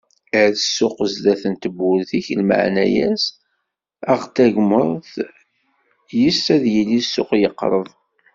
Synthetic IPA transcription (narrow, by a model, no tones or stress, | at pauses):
əʕðəsːʊqzd̪æθənt̪əbːʊlθiçlma̰ʕnæ̰jæ̰s | æʁt̪æʝməɾˤθ | jisːæðjilːisːʊqjəqːɾˤəðˤ